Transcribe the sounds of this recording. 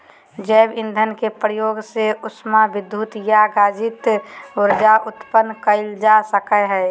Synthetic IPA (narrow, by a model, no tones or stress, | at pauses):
d͡ʒəːbɪnd̪ʱənkepɾəjoːɡseʊsmabɪd̪jut̪jaɡaːd͡ʒɪt̪ʊɾd͡ʒaʔʊt̪pənkəɪld͡ʒasəkəɦɛ